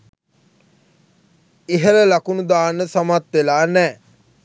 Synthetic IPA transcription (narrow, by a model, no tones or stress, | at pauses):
eɦələlakunud̪aːnəsamat̪ʋelaːnɛː